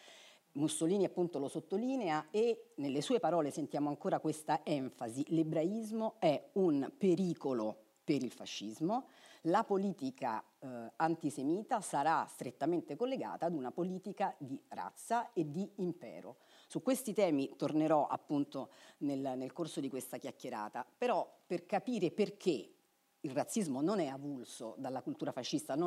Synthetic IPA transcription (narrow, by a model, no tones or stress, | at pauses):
musːoliːniapːunt̪olosot̪ːoliːneaenelːesuːepaɾɔːlesent̪jaːmoaŋkoːɾakwest̪aɛɱfazilebɾaizmoɛunpeɾiːkolo | peɾilfa̰ʃːizmolapoliːt̪ika̰ | ant̪isemiːt̪asaɾast̪ɾet̪ːament̪ekolːeɡa̰ːt̪aːd̪unapoliːt̪ikad̪ira̰t̪sːaed̪ːiːmpɛ̰ːɾo̰ | sukːwest̪it̪ɛːmit̪orneɾɔʔa̰pːunt̪onelnelkorsod̪ikwest̪ak̟jakːeɾa̰ːt̪apeɾɔperkapiːɾeperk̟ʰe | ilrat̪sːizmononɛavulso̰d̪alːakult̪uːɾafaʃːist̪ano